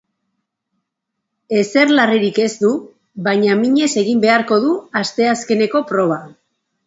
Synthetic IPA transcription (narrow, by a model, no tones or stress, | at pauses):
e̞se̞ɾlariɾike̞zd̪u | βaɲamiɲe̞se̞ɣ̞imbe̞aɾko̞ð̞uast̪e̞aske̞ne̞ko̞pɾo̞β̞a